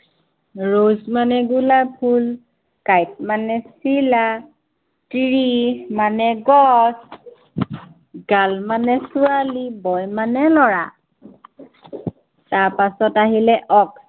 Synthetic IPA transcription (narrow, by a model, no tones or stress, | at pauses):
ɹozmanɛɡulapʰul | kajt̚manɛsila | tiɹimanɛɡɔs | ɡalmanɛsuwalibɔjmanɛlɔɹa | taɹpasɔtaɦilɛʔɔks